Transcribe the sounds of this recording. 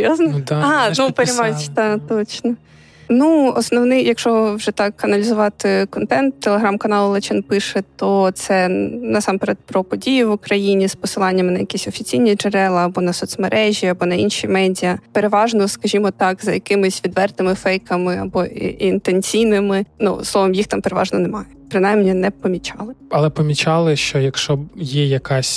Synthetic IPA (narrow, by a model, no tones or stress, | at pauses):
joznɔɑnupeɾʲimɑjtʲt̪ɑt̪ɔt͡ʃnɔ | nuɔsnɔwnɪjɐkʃɔʋwʒɛt̪ɑkɐnɐlʲɪzʊʋɑt̪ɪkɔnt̪ɛnt̪ːelˠeɦɾamkɐnɑlˠlˠɛt͡ʃɛnpɪʃɛt̪ɔt̪sɛnɐsɑmpeɾet̪̚pɾɔpɔdʲijʊʋʊkɾɐjinʲispɔsɨlˠɑnʲːɐmɪnɐjɐkʲisʲɔfʲit͡sʲijnʲid͡ʒeɾɛlˠɐːbɔnɐsɔt̪smeɾʔɛʒʲiɐbɔnɐinʃʲimɛdʲijɐpeɾeʋɑʒnɔskɐʒʲimɔt̪ɑkzɐjɐkɪmɪsʲʋʲid̪ʋɛrt̪ɪmɪfɛjkɐmɪɐ̰bɔḭint̪ent͡sʲijnɪmɪnṵslˠɔʋɔmjixt̪ɑmpeɾeʋɑ̰ʒnɔnɛmɑjɛpɾɪnajmnʲinɛpɔmʲit͡ʃɑlˠɪɐlˠɛpɔmʲit͡ʃɑlˠɪʃt͡ʃɔjɐkʃt͡ʃɔjɛjɐkɑsʲ